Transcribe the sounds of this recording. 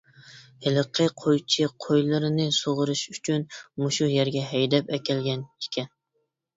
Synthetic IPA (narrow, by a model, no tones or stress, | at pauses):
hɪləqʰəqʰojt͡ʃʰiqʰojlˠɨɾɨnɨsoʁʊɾɨʃyt͡ʃʰynmuʃujɛɾɡʲɛɦɛjd̪ɛpɛkʲʰɛlɡʲɛni̥kʲʰɛn